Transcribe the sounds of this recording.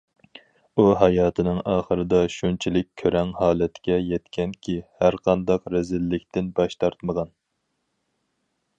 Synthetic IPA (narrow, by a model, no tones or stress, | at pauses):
uɦɑjɑːt̪ʰɨnɨŋɑːχəɾɨd̪ɑʃunt͡ʃʰilɪkʲʰøɾɛŋhɑːlɛt̪kʲɛjɛt̪kʲɛnkʲʰihæɾqʰɑnd̪ɑqɾɛzɪlːɪkʲt̪ɪnbɑʃt̪ʰɑɾt̪məʁɑn